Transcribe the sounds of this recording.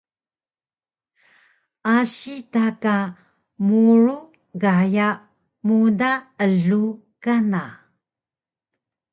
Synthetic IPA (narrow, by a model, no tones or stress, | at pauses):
ʔaɕitaka | muɾu | ɡajaʔ | mudaəɮu | kana